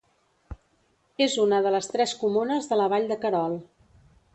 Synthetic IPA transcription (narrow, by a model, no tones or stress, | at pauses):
ezunəðələst̪ɾɛskumunəzðələβ̞aʎd̪əkəɾɔlˠ